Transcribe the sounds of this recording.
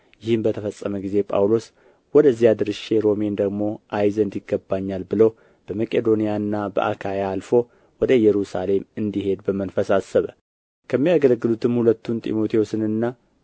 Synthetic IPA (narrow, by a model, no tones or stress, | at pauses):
jɪhɨmbət̪ʰəfəsʼːəməɡize̞pʼa̰wlo̞s | wɔd̪əzijad̪ɨɾɨʃeɾo̞mend̪əɡmo̞ʔajzənd̪ɪɡːəbːaɲːalbɨləw | b̥əməkʼed̪o̞nijanːabə̰ʔa̰kʰajaːlfo̞ | wɔd̪əjɛɾusa̰le̞mɨnd̪ihe̞d̪bəmənfəsasəβə | kʰəmːijaɡəlɡːɨlut̪ʰɨmhulət̪ːunt̪ʼḭmo̞t̪ʰiosɨnɨnːa